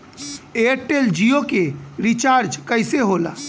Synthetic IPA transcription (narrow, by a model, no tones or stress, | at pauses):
eɾʈeld͡ʒiokeɾit͡ʃaːɾd͡ʒkəɪseɦola̰ː